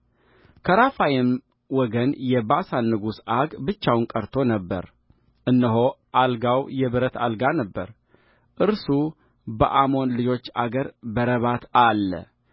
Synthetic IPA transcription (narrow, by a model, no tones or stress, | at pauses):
kʰəɾafajɪm | wɔɡənjɛbasanːɨɡusaɡbɨt͡ʃːawnkʼəɾt̪ʰo̞nəbːə̰ɾ | ʔɨnːɨɦo̞ʔalɡawjɛβɨɾət̪ʰa̰lɡanəbːə̰ɾ | ʔɨɾsu | bə̰ʔamo̞nlɨd͡ʒo̞t͡ʃːa̰ɡəɾbəɾəβat̪ʰalːə̰